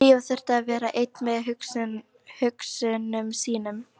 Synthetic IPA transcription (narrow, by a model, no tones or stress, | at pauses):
iːvaθɛr̥t̪aːðvɛːɾaʔejt̪nmɛðɦʏks | hʏksʏnʏmsiːnʏm